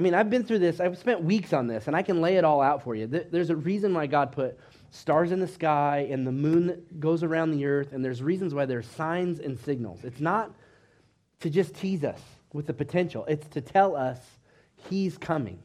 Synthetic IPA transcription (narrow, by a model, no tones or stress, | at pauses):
aɪmĩnaɪvbɨ̃nθɹʉðɪsaɪv̥spɛ̃nʔ̚wiksn̩ðɪsɨ̃naɪkɨ̃nleɪɨɾɔlˠaʊtfə˞jɨðəðə˞zɨɹizɨ̃nwaɪɡɑd̚pʰʊt̚ | stɑɹzɨ̃nðɨskaɪɨ̃nðəmũnɡoʊzə˞ãʊ̃nðiɜ˞θɨ̃nðə˞zɹizn̩zwaɪðə˞sãɪ̃nzɨ̰̃nsɪɡ̚nl̩ˠz̥ɨtsnət̚ʰ | ɨd͡ʒʌstʰizʌ̰s | wɨðɨpɨtʰɛ̃nʃl̩ˠɪtstʰɨtʰɛlˠʌs | hiz̥kʰʌmɪ̰̃ŋ